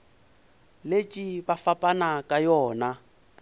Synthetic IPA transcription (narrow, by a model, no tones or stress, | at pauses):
let͡ʃʼibafapʼanakʼajɔːna